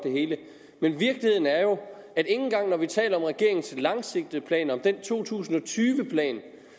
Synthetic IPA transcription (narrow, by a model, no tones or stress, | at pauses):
d̥e̝ɦe̝ːlə | menʋiɐɡ̥lihe̝ð̰ˠn̩æɐjo̝ | æɾ̥e̝ŋn̩ɡ̥ɑ̈ŋ̰nɒʋit͡sʰɛ̰ːlɐɒ̽mʁɛɡ̥e̝ɐe̝ŋn̩sʰlɑ̈ŋse̝ɡ̥̚d̥əpʰlɛ̰ːnɒ̽md̥ent͡sʰo̝̰ːt͡sʰṵːsn̩ɒ̽t͡sʰyːʋəpʰlɛ̰ːn